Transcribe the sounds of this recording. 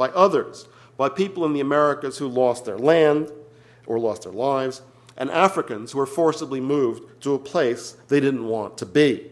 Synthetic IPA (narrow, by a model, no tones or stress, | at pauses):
b̥aɪʔʌðə˞z̥ | b̥aɪpipl̩ˠə̃nðiɨmɛɹɨkɨz̥hulɔst̪̚ðə̰˞læ̃nd | ʔə˞lɔst̪̚ðə̰˞laɪvz | ʔɨ̰̃nʔæfɹɨkɨ̃nz̥huə˞fɔɹsəblimuvtʰəːpʰl̥eɪsðeɪɾɪdⁿn̩ʔwɑ̰̃ntʰɨbi